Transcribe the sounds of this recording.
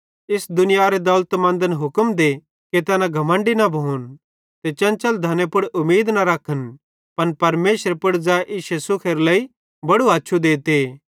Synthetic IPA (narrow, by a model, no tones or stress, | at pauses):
ɪsd̪ʊnɪjaɾed̪ɐlt̪mɐ̃nd̪ənɦʊkəmd̪e | ket̪ɛːnãɡʱɐmə̃ɳɖinɐbʱon | t̪et͡ʃɐ̃nt͡ʃəld̪ʱɐnepʊɽʔʊmeːd̪nɐɾɐkʰːən | pɐnpɐɾmeːsɾepʊɽd͡zaːeʔɪʃesʊkʰeɾlɐi | bɐɽuaːtːʃʰud̪eːt̪eː